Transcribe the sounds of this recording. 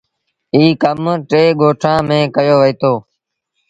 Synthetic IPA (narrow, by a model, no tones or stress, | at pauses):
iːkəmʈeːɡoːʈʰãːmẽːkəjoːʋəiːt̪ʰoː